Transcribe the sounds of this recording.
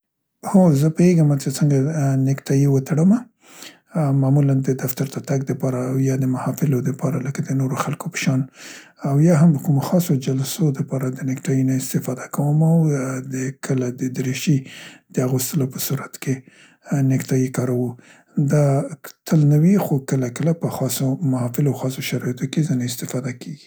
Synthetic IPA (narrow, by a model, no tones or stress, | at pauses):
hozəpəeɡəmat͡ʃet͡səŋɡanɪkt̪ɑjiwət̪aɽəma | mamuland̪əd̪aft̪aɾt̪at̪aɡ̚d̪əpɑɾaːwjɑd̪əmahɑfɪlod̪əpɑɾaləkad̪ənoɾoxalkopə̥ʃɑn | awjɑɦamləkumoxɑsod͡ʒalsod̪əpɑɾad̪ənɪkʈɑjinaɪst̪ɪfɑd̪akʰawəmawd̪əkʰəlad̪əd̪əɾeʃid̪̥əaɣost̪əlopəsuɾat̪kʰe | nɪkt̪ɑjikɑɾawu | d̪ɑt̪ʰəlnawixokəlakəlapəxɑsomahɑfɪlawxɑsoʃaɾɑjat̪okezinaɪst̪ɪfɑd̪akʰeɡi̥